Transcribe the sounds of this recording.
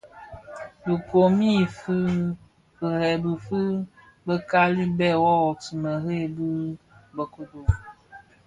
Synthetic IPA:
bɨ˨ko˨mi˦fɨ˦ | bɨ˨hɛ˨bɨ˨fɨ˦ | bə˦ka˦li˦bɛ˦˨wɔ˦wɔ˨ti˨mə˨ɦe˦˨bɨ˦ | bə˨ku˦do˨

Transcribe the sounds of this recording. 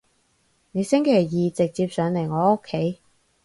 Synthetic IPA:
ne˨˧jsɪ˥ŋkʰe˨˩jːiː˨t͡sɪ˨k̚t͡siː˧p̚sœː˨˧ŋle˨˩jŋɔː˨˧o˥kʰːe˨˥˦j

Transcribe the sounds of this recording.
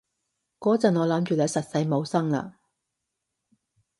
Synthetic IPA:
kɔː˨˥t͡sɐ˨nŋɔː˨˧lɐ˨˥mt͡ʃyː˨lɐː˨˧˥sɐ˨t̚sɐ˨˧jmo˨˧wsɐ˥ŋla̰ː˧˨

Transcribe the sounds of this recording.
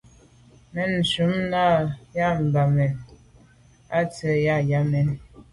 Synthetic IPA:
mɛ˨n̩˨su˨˦mna˦˨ja˦m̩˨ba˨mɛ˨n | a˦tə˨˦ja˦ja˦mɛ˨n

